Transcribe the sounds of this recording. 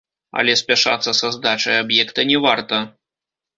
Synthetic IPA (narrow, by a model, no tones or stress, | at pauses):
ɐ̰lʲɛsʲpʲaʂa̰t̪sːɐsɐzd̪at͡ʂɐjabjɛkt̪ɐnʲɛvart̪ɐ